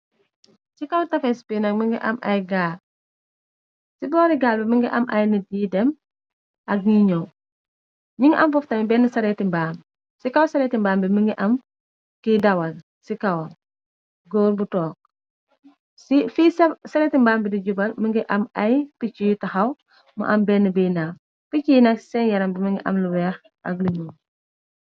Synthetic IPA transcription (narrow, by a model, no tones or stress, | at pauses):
sikɐwtɐfɛspinɐk̚məŋɡḭʔɐ̰mʔɐjɡaːl | sibɔːɾiɡaːlbɛməŋɡiʔɐmʔɐjnidiːdɛm | ʔɐɡ̚ɲiɲɔw | ɲiŋʔɐmfɔftɐmibɛnisɐɾɛtimbaːm | sikɐwsɐɾɛtimbaːmbɛməŋɡiʔɐm | kidɐwɐl | sikɐwɐl | ɡɔːɾbutɔːk̚ | sifisɐsɐɾɛːtimbaːmbidiɟubɐlməŋɡiʔɐmɐjpicijtɐxɐw | mɐ̰ʔɐmbɛnːəbijnaːm | picijnɐksɛnjɐɾɐmbiməŋɡiʔɐ̰mluwɛːx | ʔɐk̚liɲɔw